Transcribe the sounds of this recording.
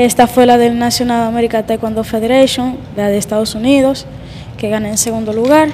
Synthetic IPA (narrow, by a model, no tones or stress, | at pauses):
est̪afwelaðelnasjonalameɾikat̪ajkwand̪ofeðeɾajʃjõŋlaðest̪að̞osuniðos | keɣanaenseɣũnd̪oluɣaɾ